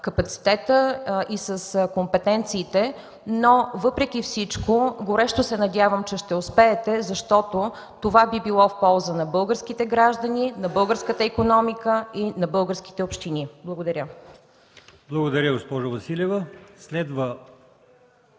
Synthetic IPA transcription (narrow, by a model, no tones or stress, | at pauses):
kɐpɐt̪si̥t̪ɛt̪əʔisəskompɛt̪ɛnt̪siːt̪ɛ | novɤpɾɛk̟ʲifsit͡ʃkoɡoɾɛʃt̪ʊsɛnɐdʲjavəmt͡ʃɛʃt̪ɛʊspɛːt̪ɛzɐʃt̪ɔt̪o | t̪ovabibilˠɔfpɔlˠzənɐbɤlˠɡəɾsk̟it̪ɛɡɾaʒd̪ənʲinɐbɤlˠɡəɾskət̪əikonɔmikəinɐbɤlˠɡəɾsk̟ʲi̥t̪ɛopʃt̪iniblˠəɡod̪ɐɾʲjə | blˠɐɡod̪ɐɾʲəɡospɔʒɐvɐsilʲɛvɐslɛd̪və